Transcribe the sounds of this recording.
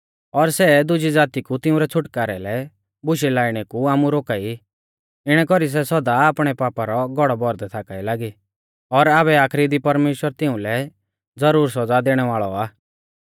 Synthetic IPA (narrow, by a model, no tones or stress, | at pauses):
ɔɾsɛd̪ʊd͡ʒid͡zaːt̪ikut̪ɪũɾɛt͡sʰʊʈkaːɾɛ̰lɛ | bʊʃilaːiɽ̃ɛkuaːmuɾoːkaːi | ɪɽ̃ɛkɔɾis̬ɛsɔd̪aaːpɽ̃ɛpaːpaɾɔɡɔɽɔbɔɾd̪ɛt̪ʰaːkailaːɡi | ɔɾaːβɛaːkʰɾid̪ipɐɾmeːʃwəɾt̪ɪũlɛ | d͡zɐɾuːɾsɔd͡zad̪eːɽ̃ɛʋaːɭɔ̰aː